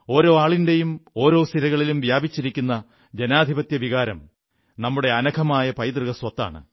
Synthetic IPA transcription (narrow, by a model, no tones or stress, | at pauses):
o̞ːɾo̞ːaːɭinde̞jumo̞ːɾo̞ːst̪iɾɐɣɐɭilumʋjaːbit͡ɕːiɾikʲːunːɐ | d͡ʑenaːd̪ʱibɐt̪jɐʋʱiɣaːɾɐm | nɐmːuɽe̞ɐnɐkʰɐmaːjɐpɐjd̪rɨɣɐswɐt̪ːa̰ːɳɨ̰